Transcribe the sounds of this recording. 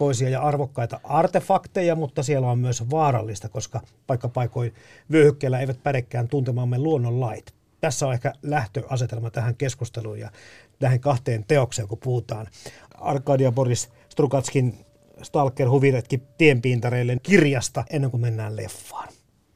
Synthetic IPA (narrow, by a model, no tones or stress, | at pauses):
toisiɑjɑɑrʋokːɑit̪ɑʔɑrt̪efɑkt̪ejɑmut̪ːɑsielːæommyøsʋɑːrɑ̰lːist̪ɑkoskɑpɑikːɑpɑikoiʋyøhykːeːlːæeiʋæt̪̚pæɾekːæːnt̪unt̪emɑːmːeluonːollɑit̪ | t̪æsːæonehkælæht̪øʔɑset̪elmɑt̪æhæŋkeskust̪eluːjjɑ̰ | læheŋkɑht̪eːnt̪eokseːŋkupuhut̪ɑːn | ɑ̰rkːˑɑːdiɑporis | st̪rukɑt̪skin | st̪ɑlkːerhuʋiret̪kit̪iempiːnt̪ɑreilːenkirjɑst̪ɑʔenːeŋkumenːæːllḛfːɑ̥ːn